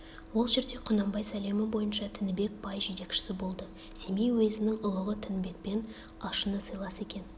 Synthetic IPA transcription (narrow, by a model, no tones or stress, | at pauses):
wo̞lˠʒeɾd̪e̞qʰʊnɑmbɑjsæle̞mɪbo̞jənʃɑt̪ʰɪnɪbe̞k̚bɑjʒe̞t̪e̞kʃɪ̥sɪbo̞lˠd̪ə | se̞mejwɵzɪnɪŋʊlˠəʁət̪ʰɪnɪbe̞k̚pe̞n | ɑʃənəsəjlˠɑse̞kʲe̞n